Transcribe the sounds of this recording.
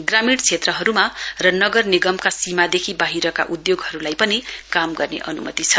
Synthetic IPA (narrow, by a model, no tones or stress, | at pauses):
ɡramiɽt͡sʰet̪rʌɦʌɾumarʌnʌɡʌrniɡʌmkasimad̪ekʰibaɦiɾʌka̰ʔud̪joɡɦʌɾulajpʌnikamɡʌrnḛʔʌnṵmʌ̰t̪it͡sʰʌ